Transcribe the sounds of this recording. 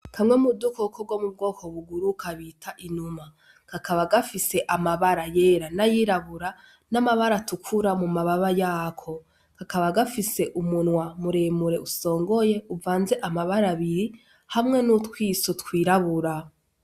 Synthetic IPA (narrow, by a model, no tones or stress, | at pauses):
kʰamŋemudukokoɡwo̞mub̚ɡo̞ːkʰoβuɡuɾukaβitʰaʔinuma | kakaβaɡafise̞ʔamaβaɾajeːɾanajiɾaβuɾa | namaβaɾatukʰuɾamumaβaβajaːkʰo̞ | kakaβaɡafise̞ʔumunwamuɾemuɾe̞uso̞ːŋɡoje̞uvaːnze̞ʔamaβaɾaβiɾi | hamŋe̞nutwiːsotkwiːɾaβuɾa